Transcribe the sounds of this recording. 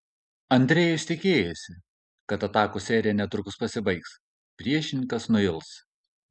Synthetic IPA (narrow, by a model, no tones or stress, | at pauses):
ɐnʲd̪ʲɾʲɛːjʊsʲt̪ʲɪkʲeːjɛsʲɪ | kɐt̪ɐt̪ɑːkosʲɛːɾʲɪjɛnʲɛt̪ɾʊkʊspɐsʲɪbɐɪks | pʲɾʲiɛʃʲɪnʲɪŋkɐsnʊɪlˠs